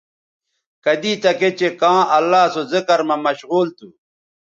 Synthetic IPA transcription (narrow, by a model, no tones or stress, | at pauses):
kɐd̪it̪ɐket͡ɕekãːʔɐlːaːsozikɐɾmɐmɐɕɣuːlt̪u